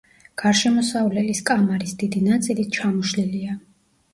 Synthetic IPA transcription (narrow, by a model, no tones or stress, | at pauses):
ɡ̥aɾʃɛmɔsavlɛliskʼamaɾisd̪id̪inat̪sʼilit̪̚t͡ʃʰamuʃlilia